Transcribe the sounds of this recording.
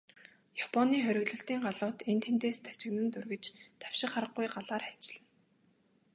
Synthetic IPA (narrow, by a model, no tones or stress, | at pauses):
japʰɔniːχœɾʲɪ̆ɣɮɵ̆ɬt̪iːŋɢaɮʊːt̪ent̪ʰent̪eːst̪ʰḁt͡ɕɪ̆ɣnɘ̆nt̪ɵrɣɘ̆t͡ɕt̪ʰḁwʃɪ̆χarə̆ɢujɢaɮaːrḁt͡ɕɪ̆ɮɘ̆n